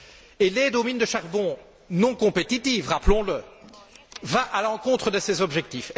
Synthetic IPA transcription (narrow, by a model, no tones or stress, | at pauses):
eled̪omind̪əʃaʁbɔ̃ | nɔ̃kɔ̃pet̪it̪ivʁaplɔ̃lə | vaʔalɑ̃kɔ̃t̪χəd̪əsezɔbʒɛk̚t̪if